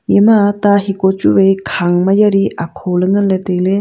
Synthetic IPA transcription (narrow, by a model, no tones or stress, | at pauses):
emataɦikot͡ʃuβejkʰaŋmajaɾiakʰolɯŋɯletele